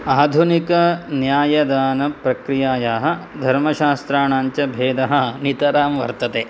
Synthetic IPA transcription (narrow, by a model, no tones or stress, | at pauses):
aːd̪ʱunikɐnjaːjɐd̪aːnɐpɾɐkɾijaːjaːɦɐ̆d̪ʱɐɾmɐʃaːst̪ɾaːɳaːɲt͡ʃɐbʱeːd̪ɐɦɐnit̪ɐɾaːmʋɐ̰ɾt̪ɐt̪eː